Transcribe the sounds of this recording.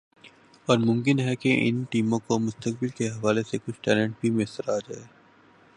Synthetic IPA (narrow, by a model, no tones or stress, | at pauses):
ɔːɾmʊ̃mkɪnɦɛkeʔɪ̰nʈiːmõkomʊst̪ək̚bɪlkeɦɐʋaːlesekʊt͡ʃʰʈɛːlɛ̃ɳʈ̚bʱimɪsəɾaːd͡ʒaːeː